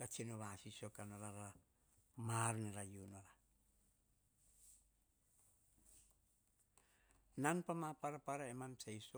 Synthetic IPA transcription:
kat͡ʃenoβasisokanoɾaɾa | marneɾajunoɾa | nanpamapaɾapaɾaemamsajso

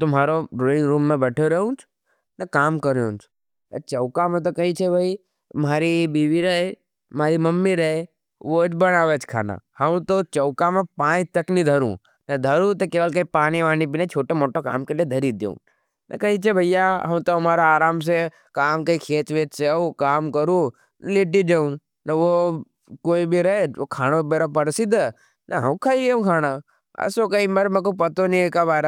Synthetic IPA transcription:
t̪om̤aːɾoɾonɾũːmːẽbɛːʈʰoɾəɦũt͡ʃʰ | nəkaːmkəɾjõ̰t͡ʃʰ | ə̰t͡ʃəʊkamẽt̪̬okəit͡ʃʰebʱəi | maːɾibiːʋiɾəɦe | maːɾiməmːiɾəɦe | ʋod͡ʒbəɽ̃aːʋet͡ʃʰkʰa̰ːna̰həʋ̃t̪ot͡ʃəʊkamẽpãːt̪əknid̪ʱəɾṵ̃ | nəd̪ʱəɾũt̪okeːʋəlkəipaːñiʋaːñibinẽt͡ʃʰoːʈomoːʈoka̰ːmkelied̪ʱəɾid̪jõ̰ | nʔɐ̰kɐit͡ʃebʱɐjaɦɐ̰ʋũt̪oɐmaːɾaaːɾaːms̬e | kaːmkəikʰeːt͡ʃʋeːt͡ʃseũkaːmkəɾũː | nleʈ̬id͡ʒeũ | nɐʋo | koːibʱiɾɐed͡ʒʋokʰaːñobeɾopəɽsid̪ | nɐɦɐ̃kʰaːiʋeũkʰaːna | ɐ̰sokəiməɾmẽk̬opət̪onĩekabaːɾa

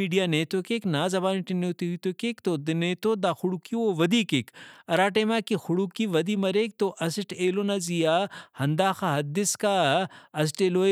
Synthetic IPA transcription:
iːɖijaːneːt̪okeknaːzɐbaːniʈinet̪uit̪okekt̪od̪neːt̪od̪axʊɽukioʋɐd̪iːkekɐɾaːʈeːmaːkixʊɽukiʋɐd̪imɐɾek̚t̪oʔɐsiʈeːloːnazijaːhɐnd̪aːxaɦɐd̪ɪskaɐs̬ʈeːlo

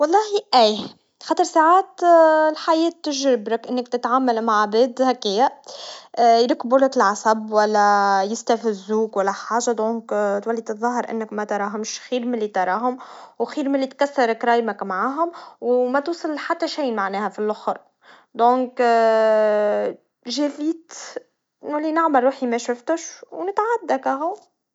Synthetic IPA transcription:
wɑlˤːɑːhiʔæː | xɑːt̪ˤɨɾˤsaʕaːt̪lħajɛːt̪ːɪʒɾɪbɾɪkʔɪnːɪk̚t̪ɪt̪ʕamːalmaʕːabɛːd̪hækːɪjːa | jɾɪkbʊlɪkɪlʕasæbwælːæjɪst̪æfɪzːuːkwælːæħaːʒad̪oːŋkt̪wælːit̪ɨðˤɑɦɑɾʔɪ̰nːɪkmæt̪ɑɾˤɑːɦʊmʃxiːɾmɪlːit̪ɑɾˤɑːɦʊmwxiːɾmɪlːit̪̚kæsːɑɾˤkɾˤɑːjmakmaʕaːɦʊmwmæt̪uːsˤɨlħat̪ːæʃiːnmaʕnɛːhæfilʔʊxɾ | d̪õːŋk | ʒæfiːt̪ | nʊlːinaʕmɑlˤːuːħimæʃʊft̪ʊʃwnɪt̪ʕad̪ːækæɦʊ

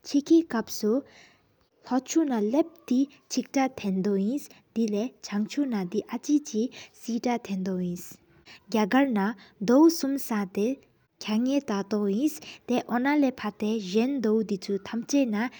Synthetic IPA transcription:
t͡ʃʰikʰikɐpsu | lɔt͡ʃʰunalep̚t̪i | t͡ʃʰik̚ʈat̪ʰend̪ɔĩs | d̪̥ilet͡ʃʰaŋt͡ʃʰunad̪iʔat͡ʃit͡ʃisiʈat̪ʰend̪ɔĩs | ɡʲjaɡəɾnad̪ɔwsumsat̪e | kʰjaŋet̪at̪ɔĩst̪eʔɔnalepʰat̪eʒend̪ɔwd̪it͡sʰut̪ʰamt͡ʃena

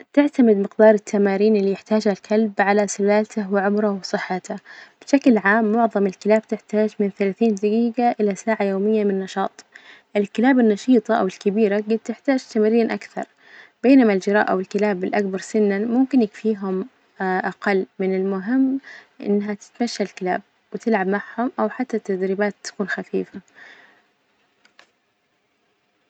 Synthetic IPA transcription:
t̪ɪʕt̪amɪd̪mɪqd̪ɑːɾˤɪt̪ʰːamaːɾiːnɪlːijɪħt̪aːʒhalkʰalbʕalasɪlaːlt̪awɪʕʊmɾawsˤɨħːat̪ab̥ɪʃaklʕaːmːʊʕðˤɑmɪlkɪlaːbt̪ɪħt̪aːd͡ʒmɪnθalaːθiːnd̪aɡiːɡaʔɪlasaːʕajoːmɪjːamɪnːɑʃɑːt̪ˤʔɪlkɪlaːbɪnːɑʃiːt̪ˤɑʔa̰wɪlkɪbiːɾaɡɪd̪̚t̪ɪħt̪aːd͡ʒt̪amɾːiːnʔakθɑ̰ɾˤ | b̥eːnamald͡ʒɪɾˤɑ̰ːʔawɪlkɪlaːbɪlʔak̚bɑɾˤsɪnːanmʊmkɪnjɪkfiːɦʊm | ʔaqɑlːmɪnɪlmʊɦɪmːʔɪ̰nːɦat̪ɪ̥t̪maʃːalkɪla̰ːb̚ | wɪt̪ɪlʕabmaʕhʊmʔawħat̪ːat̪ːad̪ɾibaːt̪ːḁkuːnxafḭːfa

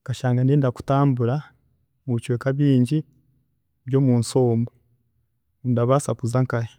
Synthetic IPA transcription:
kaʃaːŋɡandendaku̥taːmbuɾa | muβit͡ʃweːkaβiːɲɟi | βjo̞ːmuːnso̞ːmbo | ndaβasapuzaŋkaje

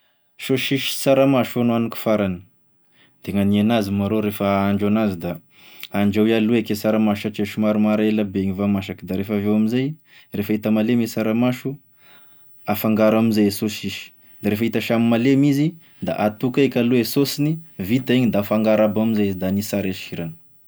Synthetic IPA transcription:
ʃoʃiʃi̥saɾamaʃonuanuku̥faɾanə̥ | d̪̥eŋanienazimaɾoɾefəaɳɖ͡ʐanazid̪a | aɳd͡ʒawialuekesaɾamaʃat͡ʃeʃumaɾumaɾelabeɲivamaʃakid̪aɾefavewamizaj | refait̪əmalemesaɾamaʃu | afaŋɡaɾamizajesosiʃi̥ | d̪aɾefəit̪aʃamimalemizi | d̪a̰ʔat̪ukaekʲaluesosinivit̪aiɲid̪afaŋɡaɾabamizad̪anisaɾeʃiɾanə̥

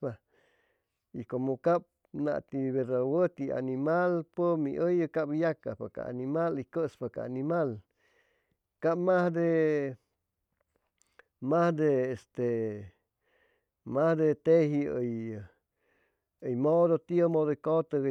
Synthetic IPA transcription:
pa | ikomokap̚ | na̰ʔt̪iβeɾawət̪ia̰nimalpəmiʔəjəkapjaka̰paka̰a̰nimalikəspaka̰animal | kap̚mahd̪e | mahd̪eːst̪e | mahd̪et̪ehiəj | əjmod̪ot̪jəmod̪oikot̪ə

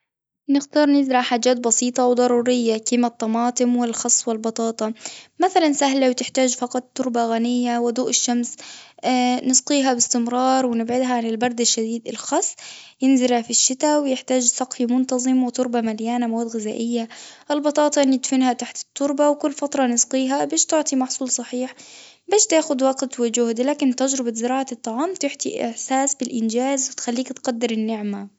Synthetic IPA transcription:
nɪxt̪ɑːɾˤnɪd̪ɾˤɑħaːd͡ʒːaːt̪̚bɑsiːt̪ˤɑwd̪ˤɑɾˤuːɾɪjːakiːmat̪ˤːɑmɑːt̪ˤɨmwɪlxɑsˤːwɪlbɑt̪ˤɑːt̪ˤɑmaθalansaɦlawt̪ɪħt̪aːd͡ʒfɑqɑt̪ːʊɾbaɣanɪjːawɪd̪uːʔɪʃːams | nɨsq̪ˤiːɦabɪst̪ɪmɾˤɑːɾˤwɪnɪbʕɪd̪ɦaʕanɪlbɑɾˤd̪aʃːad̪iːd̪ɪlxɑsˤːjɪnzɪɾhafiʃːɪt̪awɪjɪħt̪aːd͡ʒsˤɑqfimʊnt̪ɑzˤɨmwɪt̪ˤʊɾbamaljaːnamawaːd̪ɣɪza̰ːʔɪjːaʔɪlbɑt̪ˤɑːt̪ˤɑnɪd̪fɪnhat̪aħt̪ɪ̥t̪ˤːʊɾbawkʊlːfat̪ɾˤɑnɪsqiːɦabaːʃt̪ʊʕt̪ˤimɑħsˤuːlsˤɑħiːħ | baːʃt̪aːxʊd̪wɑɡt̪wɪd͡ʒʊhd̪ilaːkɪnt̪ad͡ʒɾɪbazɪɾɑːʕat̪ˤːɑʕɑːmt̪ɪħt̪ḭʔɪ̰ħsaːsbɪlʔɪnd͡ʒaːzwɪt̪xalːiːkt̪qad̪ːɪɾɪnːɪʕma

